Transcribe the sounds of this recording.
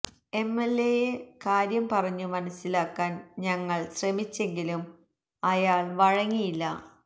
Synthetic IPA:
e̞melːejekaːɾjɐmpɐrɐɲːumɐnɐsːilaːkːaːnɲɐŋːɐɭɕremit͡ɕːe̞ŋɡilum | ɐjaːɭʋɐɻɐŋːijilːɐ

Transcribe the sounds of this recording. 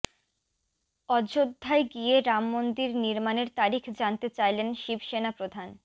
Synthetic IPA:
ɔd͡ʑod̪ʱːaeɡijeɾamːond̪iɾniɾmaneɾt̪aɾikʰd͡ʑant̪et͡ɕajlenʃibʃenapɾod̪ʱan

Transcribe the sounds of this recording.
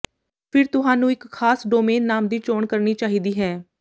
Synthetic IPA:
pʰɪɾt̪ʊɦãːnũːɪkʰːaːsɖoːmeːnːaːmd̪iːt͡ʃoːɳkəɾniːt͡ʃaːɦiːd̪iːɦɛː

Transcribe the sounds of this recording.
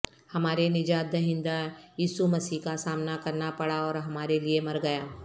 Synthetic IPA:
hɐmaːɾenɪd͡ʒaːd̪ɐɦɪ̃nd̪ajiːsumɐsiːkasaːmnakɐɾnapɐɽaɔːɾɦɐmaːɾeliemɐɾɡɐjaː

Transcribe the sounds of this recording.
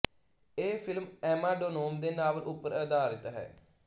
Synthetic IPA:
eːpʰɪlmɛːmaːɖoːnoːmd̪eːnaːʋlʔʊpːəɾəd̪aːɾət̪ɦɛ̰ː

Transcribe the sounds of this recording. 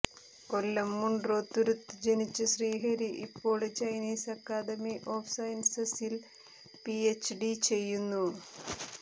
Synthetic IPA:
ko̞lːɐmːuɳɖro̞ːt̪ːuɾut̪ːɨd͡ʑenit͡ɕːɨɕriːɦɐɾiʔḭpːo̞ːɭɨt͡ɕɐjniːsɐkːaːd̪ɐmiʔo̞ːfsɐjɐnsɐsil | piet͡ɕːɖit͡ɕe̞jːunːu

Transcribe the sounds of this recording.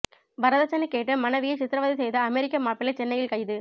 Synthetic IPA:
ʋɐɾɐðɐt͡ʃːɐnːɛkːeːʈːɯmɐnɐʋɪjɐɪt͡ʃɪt̪ɾɐʋɐːðisɛjðɐɐmɛɾɪkːɐmaːpːɪlɐɪt͡ʃɛnːɐjɪlkɐjðɯ

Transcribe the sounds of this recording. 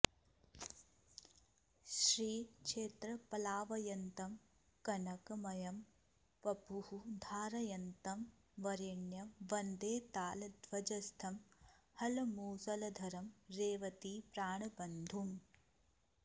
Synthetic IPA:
ʃɾiːkʂeːt̪ɾɐpɐlaːʋɐjɐnt̪ɐm | kɐnɐkɐmɐjɐm | pɐpuhud̪ʱaːɾɐjɐnt̪ɐm | ʋɐɾeɳjɐmʋɐnd̪eːt̪aːlɐd̪ʱʋɐd͡ʒɐst̪ʰɐmhɐlɐmuːsɐlɐd̪ʱɐɾɐmɾeːʋɐt̪ipɾaːɳɐbɐnd̪ʱum

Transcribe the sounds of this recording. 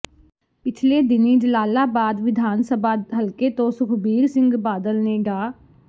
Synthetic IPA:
pɪt͡ʃʰleːd̪ɪnẽːd͡ʒəlaːlaːbaːd̪ʋɪd̪ʱaːnsəbaːɦəlkeːt̪õːsʊkʰbiːɾsɪ̃ŋɡbaːd̪əlneːɡaː

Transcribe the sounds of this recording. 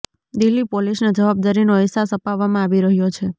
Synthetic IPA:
d̪ɪlːipolisnad͡ʒəʋab̚d̪aɾinoəsasəpaʋːamãaʋiɾəɦjot͡ʃʰe

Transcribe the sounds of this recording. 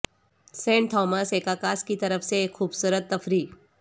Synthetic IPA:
sẽɳʈʈ̪ʰɔmaseːkakaskit̪əɾəfseːkʰːuːbsuɾət̪ːəfɾiː

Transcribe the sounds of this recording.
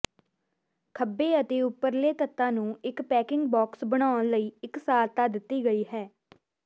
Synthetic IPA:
kʰəbːeːət̪eːʊpːəɾleːt̪ət̪ːãːnũːɪkpɛːkɪ̃ŋɡ̚bɔːksbəɽ̃aːənləiːɪksaːlt̪aːd̪ɪt̪ːiːɡəiːɦɛː

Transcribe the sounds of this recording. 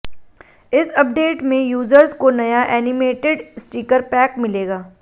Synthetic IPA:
ɪsɐp̚ɖeːʈmẽjuːzəɾzkonɐjaʔɛːnɪmeːʈɪɖsʈiːkəɾpɛːkmɪleːɡaː

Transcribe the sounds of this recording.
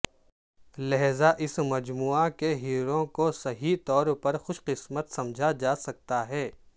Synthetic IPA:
lɐɦzaʔɪsmɐd͡ʒmuːakeɦiːɾõkosɐɦit̪ɔːɾpɐɾxʊʃqɪsmət̪sɐ̃md͡ʒʱad͡ʒaːsɐk̚t̪aɦɛː

